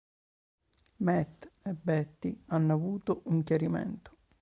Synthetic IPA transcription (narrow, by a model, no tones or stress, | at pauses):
mɛt̪ːebɛt̪ːianːoavuːt̪oʔuŋkjaɾimɛ̰nt̪o̥